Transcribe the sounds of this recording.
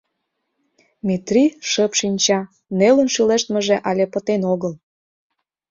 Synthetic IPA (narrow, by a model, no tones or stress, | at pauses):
mʲit̪riʃəpʃinʲt͡ɕɑ | nelənʃyleʃt̪mə̆ʒĕʔɑlʲepə̆t̪enoɣəl